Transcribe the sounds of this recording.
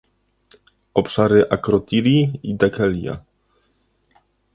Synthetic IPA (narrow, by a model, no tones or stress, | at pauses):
ɔpʂaɾɘʔakɾɔt̪iɾʲiid̪akɛlʲja̰